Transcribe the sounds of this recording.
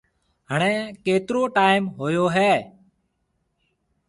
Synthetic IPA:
ɦəɳ̃ẽːkeːt̪ɪɾoːʈaːɪmɦoːjoːɦɛː

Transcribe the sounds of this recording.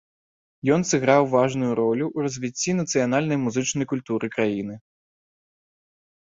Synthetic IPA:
jɔnsɨɣɾawvaʐnujuɾɔlʲuʔurɐzʲvʲit͡sʲːinɐt̪sɨjan̪alʲnɐjmuzɨt͡ʂnɐjkulʲt̪uɾɨkɾajinɨ

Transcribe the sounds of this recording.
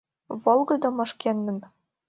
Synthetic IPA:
vɤ̆lˠɡɤ̆d̪ɤ̆mɤ̆ʃkʲenːɘ̆n

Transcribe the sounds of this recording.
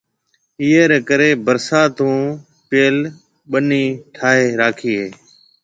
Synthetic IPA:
iːeːɾeːkəɾeːbəɾsaːt̪ũː | peːl | ɓəniːʈʰaːɦeːɾaːkʰiːɦeː

